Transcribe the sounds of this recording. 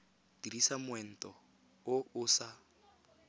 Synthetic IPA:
dirisamʊwɛn̩tʼɔ | ʊʊsa

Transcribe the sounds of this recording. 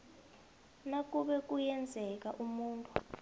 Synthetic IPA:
nak̬ʼuɓɛk̬ʼujɛnd͡zʱɛk̬ʼaʔumuːntʼu

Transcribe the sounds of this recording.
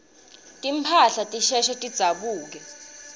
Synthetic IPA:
tʼim̩pʰaɬatʼiʃɛʃɛtʼid̥z̥ʱaɓuːk̬ɛ

